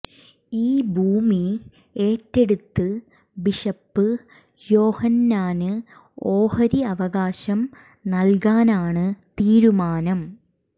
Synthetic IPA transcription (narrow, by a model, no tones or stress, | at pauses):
iːbʱuːmi | e̞ːtːe̞ɽut̪ːɨ | biʂɐpːɨ | jo̞ːhɐnːaːnɨ | oːhɐɾiɐʋɐɣaːɕɐm | nɐlkaːnaːɳɨt̪iːɾumaːnɐm